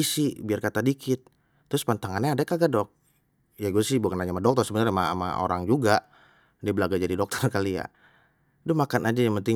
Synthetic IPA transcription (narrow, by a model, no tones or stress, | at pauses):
isibiarkat̪adikɪt̪ː | ɾʊspant̪aŋanɲaːdakaɡadɔk̚ | jaɡusɪhbukanaɲamadɔk̚t̪ɔrsəbənarmama̰ʔo̰ɾaŋd͡ʒuɡa | dibəlaɡad͡ʒadidɔk̚t̪ɔrkalija̰ | dʊmakanad͡ʒajaŋpənt̪ɪ